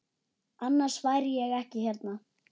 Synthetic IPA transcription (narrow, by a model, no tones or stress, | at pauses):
anːaɾ̥svaːjɾɪjɛɣɛhcɪçɛɾt̪na